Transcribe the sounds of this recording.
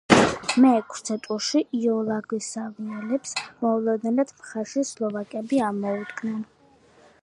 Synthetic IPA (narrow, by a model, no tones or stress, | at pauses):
mɛkʰɾt̪sʰɛt̪ʼuʃiʔiɔlˠaɡwisaviɛlɛpsmɔulˠɔd̪nɛnat̪ʰmχaɾʃislˠɔvakʼɛbiamɔud̪ɡʰnɛn